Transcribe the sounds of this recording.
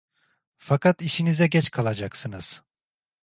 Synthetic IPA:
fakʰat̪iʃinizɛɟɛt͡ʃkʰalˠad͡ʒaksɯnɯz̥

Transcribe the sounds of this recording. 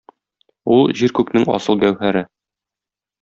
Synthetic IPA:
ulˠʑiɾkʉknɘŋɒ̰sɤlˠɡæwhæɾɘ

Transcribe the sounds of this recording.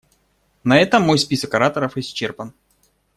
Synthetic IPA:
nɐɛt̪əmːo̞jspʲisəkɐɾat̪əɾəfɪsʲt͡ɕːerpən

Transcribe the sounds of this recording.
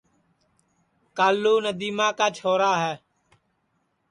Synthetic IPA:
kaːlːuːnəd̪iːmãːkaːt͡ʃʰoːɾaːɦɛː

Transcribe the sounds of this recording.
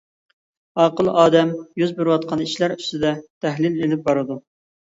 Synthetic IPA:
ɑːqəlˠʔɑːd̪ɛmjyzbyɾwɑt̪̚qʰɑniʃlæɾyst̪ɪd̪ɛt̪ʰæɦlɪlelɪp̚bɑɾɨd̪u

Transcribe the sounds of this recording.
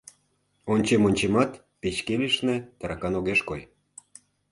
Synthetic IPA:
onʲt͡ɕemonʲt͡ɕemɑt̪ | pet͡ɕkeliʃnĕt̪əɾɑkɑnoɣeʃkoj

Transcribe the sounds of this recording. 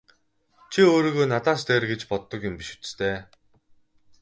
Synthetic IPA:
t͡ɕʰioːɾiɣoːnat̪aːst̪eːrɡet͡ɕpɔt̪ːɞ̆kjʊmpiʃŭ̥t͡st̪ʰeː

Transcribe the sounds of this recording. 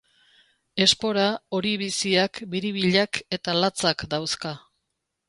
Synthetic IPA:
e̞spo̞ɾao̞ɾiβisiakbiɾiβ̞iʎake̞t̪alat͡sakd̪awska

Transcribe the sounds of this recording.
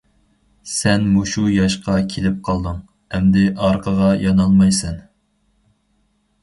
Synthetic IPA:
sɛnmuʃujɑʃqɑkʲʰelɪp̚qʰɑlˠd̪ɨŋ | ɛmd̪ɪʔɑɾqʰəʁɑjʔɑnɑlˠmɑjsɛn

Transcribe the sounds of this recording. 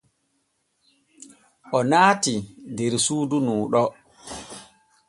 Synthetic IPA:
ʔɔnaːtidɛɾsuːdunuːɗɔ

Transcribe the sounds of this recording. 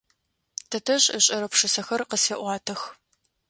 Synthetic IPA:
tʰɐtʰɐɕʼəɕʼɐɾɐpʂɨsɐxɐrqəseʔʷɑːtʰɐx

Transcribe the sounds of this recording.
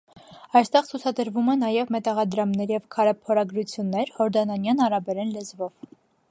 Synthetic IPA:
ɑjst̪ɛʁt͡sʰut͡sʰɑd̪əɾvumɛnɑjɛvmɛt̪ɑʁɑd̪ɾɑmnɛɾjɛvkʰɑɾɛpʰɔɾɑɡɾut͡sʰjunːɛɾhɔɾd̪ɑnɑnjɑnɑɾɑbɛɾɛnlɛzvɔv

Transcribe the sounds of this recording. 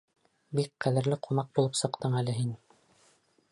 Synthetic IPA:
bik̚qæðɘ̆ɾlɘqʰunɑq̚bulˠɤpsɤ̆qt̪ɤɴælɘɦin

